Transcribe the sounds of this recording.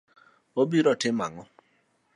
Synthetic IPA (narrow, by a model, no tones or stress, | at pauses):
obiɾɔtɪmaŋɔ